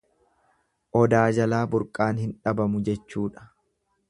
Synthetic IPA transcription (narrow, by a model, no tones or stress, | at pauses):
ʔɔd̪aːd͡ʒɐlaːbʊɾkʼːaːnhɪnᶑɐbɐmʊd͡ʒɛt͡ʃːuːᶑɐ̥